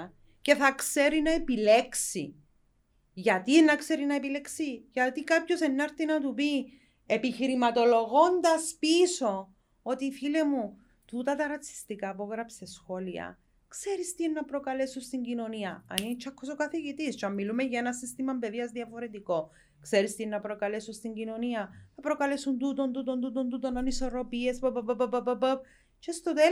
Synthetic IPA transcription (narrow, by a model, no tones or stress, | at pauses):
ce̞θɐkse̞ɾinɐepile̞ksi | ʝɐt̪ienːɐkse̞ɾinɐepile̞ksiʝɐt̪ikapço̞se̞nːɐɾθinɐt̪̬upi | e̞piçiɾimɐt̪o̞lo̞ɣo̞nd̪ɐspiso̞ | ot̪ifilemu | t̪ut̪ɐt̪ɐɾɐt͡sːi̥st̪ikaːpoɣɾɐpsesxo̞liɐ̰ | kse̞ɾist̪inːɐpɾo̞kɐle̞sust̪iɲɟino̞niɐɐ̰nint͡ʃʰːɐkʰːosokɐθiʝit̪ist͡ʃɐmːilumeʝɐenɐsist̪imɐmbe̞ðiɐzðiɐfo̞ɾe̞t̪iko̞ | kse̞ɾist̪inːɐpɾo̞kɐle̞sust̪iɲɟino̞niɐnɐpɾo̞kɐle̞sund̪ut̪o̞nd̪ut̪o̞nd̪ut̪o̞nd̪ut̪onːɐniso̞ɾo̞pie̞spɐpəpəpɐpəpəpəp̚ | t͡ʃe̞st̪ot̪e